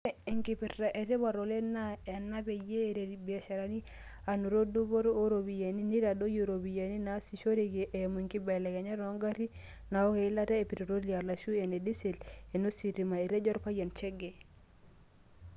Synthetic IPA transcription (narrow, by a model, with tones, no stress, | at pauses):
i˨ŋki˨pi˨ɾa˨ʔe˨ɾe˦βa˨ɾo˨le˦na˦˨a˨nːa˦pe˨jeː˦˨ɾe˨bi˨a˨ʃa˨ɾa˨ni˦ | a˨nu˨ɾo˦du˦bo˦ɾo˦ɾo˨bi˨ja˨ni˦ni˦ɾa˨do˦jo˨ɾo˨bi˨ja˨ni˦na˨˦si˨ʃo˦ɾi˨ɡe˨ʔemu˨i˨ŋki˦ba˨la˨kɛ˨ɲa˦ɾɔ˦ŋɡa˦ɾi˦ | na˨o˦ke˨i˦la˦ta˦e˨pi˨ɾi˨ɾo˦li˨a˨la˨ʃu˦e˨ne˨di˦si˨le˨no˦si˨ɾi˨ma˨e˨ɾe˦d͡ʒɔ˦ɾpa˦ja˨nt͡ʃɛ˦ɡe˨